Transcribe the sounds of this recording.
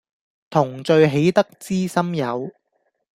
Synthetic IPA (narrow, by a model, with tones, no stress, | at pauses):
t̪ʰʊ˨˩ŋt͡ʃɵ˧ɥɦe˨˥jt̪ɐ˥k̚t͡siː˥sɐ˥mjɐ˨˧w